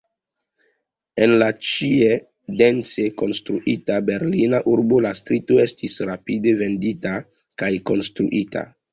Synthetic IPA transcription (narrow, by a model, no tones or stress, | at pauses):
e̞nlat͡ʃie | de̞nt͡se̞ko̞nstɾuʔitabe̞ɾlinaʔuɾbo̞lastɾito̞e̞stisɾapide̞ve̞ndita | kajko̞nstɾuʔitʰa̰